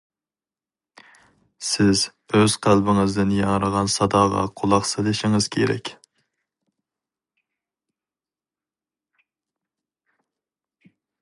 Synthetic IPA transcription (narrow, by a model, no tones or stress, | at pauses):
sɪz | øz̥qʰælbɪŋɨzd̪ɪnjɑŋɾəʁɑnsɑd̪ɑːʁɑ̰qʰolˠɑχselɪʃɪŋɨz̥kʲʰeɾɛ̰kʲ